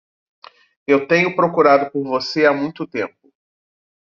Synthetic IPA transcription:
ewt̪ẽɲʊpɾokuɾad̪ʊpoɾvoseamũj̃t̪ʊt̪ẽmpʊ

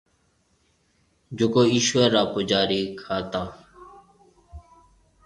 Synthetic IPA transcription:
d͡ʒʊkoːiːʃʋəɾːaːpʊd͡ʒaːɾiːkʰaːt̪aː

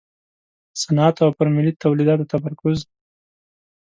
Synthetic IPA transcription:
sanat̪awpəɾmɪlit̪awlid̪ɑt̪̚d̪ət̪amaɾkʊz

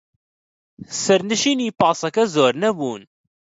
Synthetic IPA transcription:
səɾnəʃinipɑsˤɑkæzoːɾnæbuːn

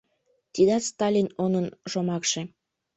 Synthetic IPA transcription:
t̪id̪ɑt̪st̪ɑlʲinonənʃomɑkʃe

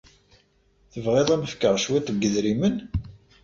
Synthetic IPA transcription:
θəvʁeðˤæməfkːəʁʃwæt̪əɡːəðɾimən

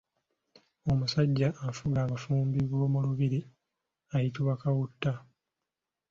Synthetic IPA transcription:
o̞musaɟːaʔːfuɡaːβafuːmbiβoːmuluβiɾi | ajituβakawutːa

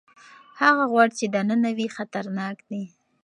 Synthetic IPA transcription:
haɣaɣwaɽit͡ʃed̪ananawixat̪aɾnɑkd̪i

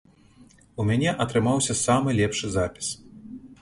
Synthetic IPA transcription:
umʲanʲɛʔɐt̪ɾɨmawsʲɐsamɨlʲɛpʂɨzapʲi̥s

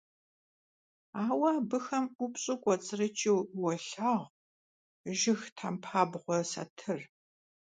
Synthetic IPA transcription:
aːwɐːbɨxɐmʊpɕʼɪkʷʼɔt͡sʼɨrɨt͡ʃʼiwwɔɬaːʁ | ʒɪxtʰampʰaːbʁʷɔsa̰tʰɨr

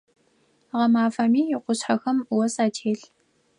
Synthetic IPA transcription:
ʁɐmaːfɐmiːjɪqʷʊɕħaxɐmwɐsaːtʰeːɬ

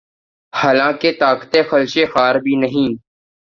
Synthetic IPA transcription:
haːlãːket̪aːkə̥t̪exəlʃexaːɾbʱiːnəɦĩː

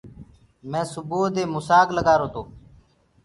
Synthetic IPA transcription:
mɛ̃ːsʊboːd̪eːmʊsaːɡləɡaːɾoːt̪oː

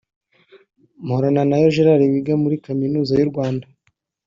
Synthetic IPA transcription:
mhoɾananajoʒeɾaɾiβiɡamuɾikaminuːzajuɾɡwaːnda

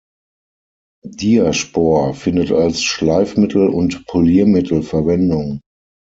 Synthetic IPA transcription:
d̥iːɐʃpɔɐfɪndətalsʃlaɪfmɪtʰl̩ʊ̰ntpʰoliːɐmɪtʰl̩fɛɐvɛndʊŋ

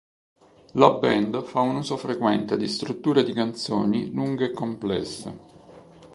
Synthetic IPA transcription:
labɛnd̪faunuːzofɾekwɛnt̪ed̪ist̪ɾut̪ːuːɾed̪ikant̪soːniluŋɡeːkːomplɛ̰sːḛ

